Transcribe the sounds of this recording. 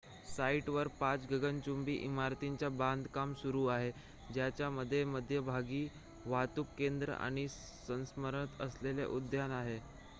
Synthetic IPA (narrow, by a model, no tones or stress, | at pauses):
saiʈʋəɾpat͡sɡʱəɡənt͡ɕumbiːʔimaɾt̪iɲt͡ɕjabãnd̪ʱkamsuɾuːaɦe | d͡ʑjat͡ɕjaməd̪ʱːjeməd̪ʱːjəbʱaɡiː | ʋat̪ukːend̪ɾə̰a̰ɽ̃i | sə̃ñsməɾəət̪əslelḛʔud̪ʱjanaɦe